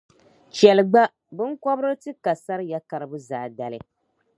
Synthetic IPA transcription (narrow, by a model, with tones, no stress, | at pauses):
t͡ʃɛ˨lɨ˨ɡ͡ba˦ | bɨ˦ŋkɔ˦bɾɨ˦tɨ˦ka˨sa˦ɾɨ˦ja˦ka˨ɾɨ˦bu˦za̰˨da˨lɨ˦